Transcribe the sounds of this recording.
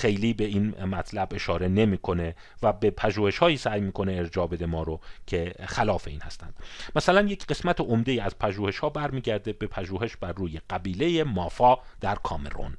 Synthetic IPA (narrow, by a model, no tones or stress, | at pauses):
xe̞jliːbe̞iːnmæt̪ʰlæbe̞ʃɒːɾe̞ne̞miːkʰo̞ne̞ | væbe̞pʰæʒuːhe̞ʃhɒːiːsæjmiːkʰo̞neːɾd͡ʒɒːbe̞d̪e̞mɒːɾocʰe̞xælɒːfe̞iːnhæst̪æ̰nd̪̥mæsælænje̞cʰɢe̞smæt̪ʰeʔomd̪e̞jiːæzpʰæʒuːhe̞ʃhɒːbæɾmiːɟæɾd̪ebe̞pʰæʒuːhe̞ʃb̥ærːuːje̞ɢ̥æbiːle̞jemɒːfɒːd̪̥æɾkʰɒːme̞̰ɾo̰n